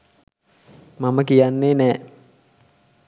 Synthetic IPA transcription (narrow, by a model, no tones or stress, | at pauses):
maməkijanːeːnɛː